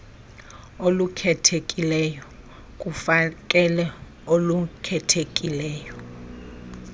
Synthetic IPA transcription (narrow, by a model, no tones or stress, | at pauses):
olukʰɛtʰekʼilɛjɔ | k̬ʼufakʼɛlɛ | olukʰɛtʰekʼilɛːjɔ